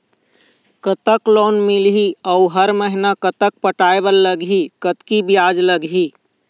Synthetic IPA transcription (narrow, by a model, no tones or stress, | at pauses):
kət̪əklonmilɦiəuɦəɾməɦinakət̪ək̚pəʈaebəlːəɡɦikət̪kibijad͡ʒləɡɦi